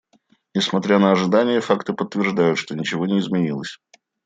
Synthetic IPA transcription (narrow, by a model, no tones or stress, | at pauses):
nʲɪsmɐt̪ɾʲanəɐʐɨd̪anʲɪjəfakt̪ɨpət̪ːvʲɪrʐd̪ajʊt̪ʂt̪o̞nʲɪt͡ɕɪvo̞nʲɪːzmʲɪnʲilˠəsʲ